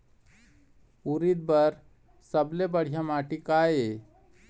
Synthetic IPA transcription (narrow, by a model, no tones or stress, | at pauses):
uɾid̪̚bəɾ | səblebəɽ̤ijamaʈikae